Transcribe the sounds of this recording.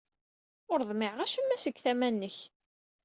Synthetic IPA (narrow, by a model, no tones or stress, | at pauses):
ʊɾðˤmɪʕʁæʃəmːæsəɡθæmænːəç